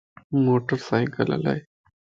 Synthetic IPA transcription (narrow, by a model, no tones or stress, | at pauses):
moʈəɾsajkəla̰la̰j